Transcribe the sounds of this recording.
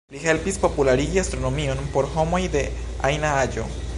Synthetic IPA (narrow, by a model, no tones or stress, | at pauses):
liɦelpispo̞pulaɾiɡiast̪ɾo̞nomio̞npo̞ɾɦo̞mo̞jd̪e̞ | ajnaad͡ʒo̞̰